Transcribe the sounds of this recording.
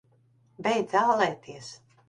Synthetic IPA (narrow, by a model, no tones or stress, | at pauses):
bɛjd̪zawlˠɛːt̪ʰiɛs